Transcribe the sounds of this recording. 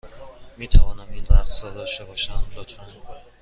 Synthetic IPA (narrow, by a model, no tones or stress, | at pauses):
miːt̪ʰævɒːnæminæxsɒd̪ɒʃt̪ebɒːʃæmlot̪ʰmæn